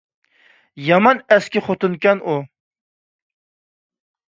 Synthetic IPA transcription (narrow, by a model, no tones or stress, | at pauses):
jɑmɑnɛskʲɪχot̪ɨnkʲɛnʔu